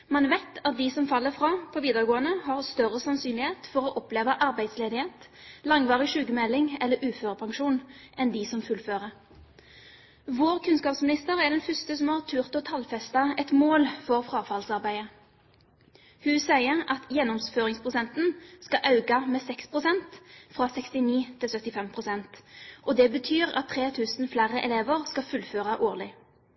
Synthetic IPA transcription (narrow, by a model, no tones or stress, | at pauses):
mɑnʋæɪt̪ʰɑt̪̚d̪ɪsɔmfɑlːəfɾɑːpʰɔːʋiːd̪əʁɡoːənəhɑʁst̪œʁəsɑnsyːnlɪheːt̪fɔɾɔʔɔpleːʋəʔɑʁbæɪd̪sleːd̪ɪheːt̪lɑŋʋɑːʁɪʃʉːɡəmɛlːɪŋɛlːəɾʔʉːføːʁəpʰɑŋʂuːnɛnd̪ɪsɔmfʉlføːʁə | ʋoːʁkʰʉnskɑːpsmɪnɪst̪əʁæd̪ɛnfʏst̪əsɔmɑʁt̪ʰʉʁt̪ɔt̪ʰɑlfɛst̪ɑɛt̪moːlfɔʁfʁɑːfɑlsɑʁbæɪə | hʉːsæɪəʁɑt̪jɛnːɔmsføːʁɪŋspʰʁʊsɛnt̪n̩skɑʔɑʉɡɑmɛːsɛkspʰʁʊsɛnt̪fʁɑːsɛkst̪ɪniːt̪ʰɪlsœt̪ːɪfɛmpʰʁʊsɛnt̪ʔɔd̪ɛbət̪ʰyːʁɑ̰t̪ʰːʁeːt̪ʰʉːsnflæʁəʔɛleːʋəʁskɑfʉlføːʁɑʔoːʁlɪ